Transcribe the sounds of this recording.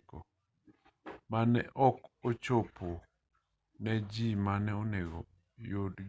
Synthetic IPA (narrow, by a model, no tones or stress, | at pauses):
ko | manɛ̰ʔɔkot͡ʃopʰo | nɛd͡ʒimanɛoneɡo | jod